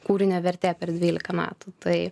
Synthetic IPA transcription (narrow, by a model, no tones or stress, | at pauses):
kuːɾʲɪnʲoːʋʲɛɾʲt̪ʲeːpʲɛɾd̪ʲʋʲiːlʲɪkɐmʲæ̰ːt̪ut̪ɐɪ